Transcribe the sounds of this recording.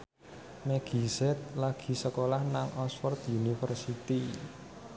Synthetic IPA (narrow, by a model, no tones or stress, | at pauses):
mɛɡ̥i̤sɛt̪̚laɡ̥i̤səkolahnaŋʔɔsfɔrt̪unifərsit̪i